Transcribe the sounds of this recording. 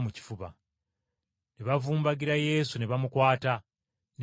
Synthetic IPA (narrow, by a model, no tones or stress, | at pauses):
muci̥fuβa̰ | neβavuːmbaɡiɾaje̞ːsuneβamukwaːta | n